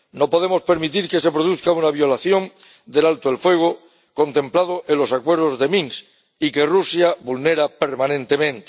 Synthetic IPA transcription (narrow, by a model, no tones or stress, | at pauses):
no̞po̞ðemo̞spe̞ɾmit̪iɾke̞s̬e̞pɾoð̞uθkaunaβjo̞laθjo̞n | d̪e̞lalt̪oelfwe̞ɣ̞o | ko̞nt̪ẽ̞mplað̞oʔelo̞sakwe̞ɾð̞o̞zðe̞mĩŋs | ike̞rusjaβulne̞ɾape̞ɾmãnẽ̞nt̪e̞mẽnt̪e̥